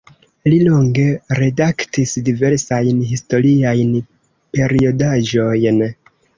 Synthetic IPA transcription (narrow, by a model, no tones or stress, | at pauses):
lilo̞ŋɡe̞ɾe̞daktisdive̞ɾsajnɦisto̞ɾiajn | pe̞ɾio̞daʒo̞jn